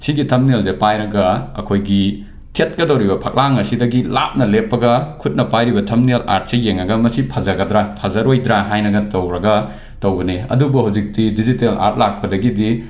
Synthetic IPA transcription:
siɡitʰɐmnelsepajɾɐɡɐɐ̰kʰojɡi | tʰet̚kɐdɐwɾibɐpʰɐk̚laŋɐsidɐɡila̰p̚nɐlepːɐɡɐkʰut̚nɐpajɾibɐtʰɐmnela̰ɾt̚sejeŋːɐɡɐmɐsipʰɐzɐɡɐdɾapʰɐzɐɾojdɾaɦajnɐɡɐtɐwɾɐɡɐ | tɐwbɐneɐ̰dubuhawzik̚didizitela̰ɾt̚lak̚pɐdɐɡidi

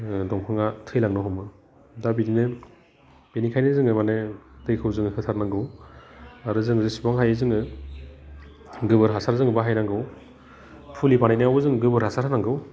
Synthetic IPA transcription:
dɔŋpʰɯŋatʰɯjlaŋnɔɦɔmɯ | dabininɯ | benikʰajnɯzɯŋɯmanetʰɯjkʰɯwzɯŋɯhɯtʰaɾnaŋɡɯw | aɾɯzɯŋzɯsi̥baŋɦajɯzɯŋɯ | ɡɯbɯɾɦasaɾzɯŋɯbaɦajnaŋɡɯw | pʰulipanajnɯawɯzɯŋɡɯbɯɾhasaɾhanaŋɡɯw

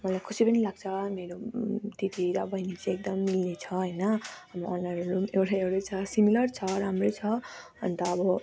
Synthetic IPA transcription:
mʌlajkʰusipʌnilaɡ̚t͡sʰʌmeɾot̪it̪iɾʌbʱʌjnit͡siek̚d̪ʌmːilnet͡sʰʌɦʌjnʌʌbʌʌnaɾɾumewɾaewɽʌjt͡sʰʌsimilʌrt͡sʰʌɾamrojt͡sʰʌ | ʌ̰nt̪ʌːbʌ

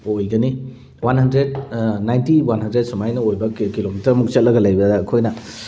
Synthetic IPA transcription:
ojɡɐni | wanhɐndɾed̚najntiwanɦɐndɾed̚sumajnɐojbɐkkilomitɐɾmuk̚t͡ʃɐt̚lɐɡɐlɐjbɐdɐːkʰojnɐ

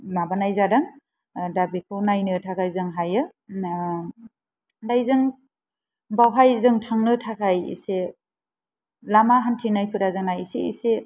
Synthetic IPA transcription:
mabanajzadɯŋ | dabikʰɯwnajnɯtʰakʰajzɯŋɦajɯ | dajzɯŋ | bawɦajzɯŋtʰaŋnɯtʰakʰajḭse | lamaɦantʰinajpʰɯɾazɯŋnajiseḭse

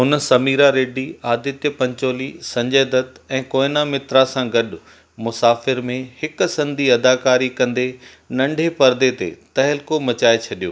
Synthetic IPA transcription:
ɦʊnsɐmiːɾaɾeːɖiaːd̪ɪt̪jəpɐ̃ɲt͡ɕoːlisɐ̃ɲd͡ʑeːd̪ət̪ɛ̃ːkoːɪnamɪt̪ɾasãɡɐɗʊ | mʊsaːfɪɾmẽhɪksɐ̃nd̪ʱiɐd̪aːkaːɾikɐ̃nd̪e | nɐ̃ɳɖʱepɐɾd̪et̪ḛt̪ɐɦɪlkomɐt͡ɕaːet͡ɕʰɐɗijoː

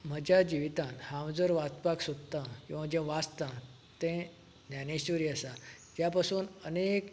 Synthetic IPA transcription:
m̤əd͡ʑad͡ʑiʋit̪ãnhãwd͡zəɾʋat͡spaksod̪t̪ãkĩw̃ʋad͡ʑɛ̃ʋast̪ã | t̪ɛ̃ | njaneɕʋəɾiːəsa | d͡ʑjapasuːnənek

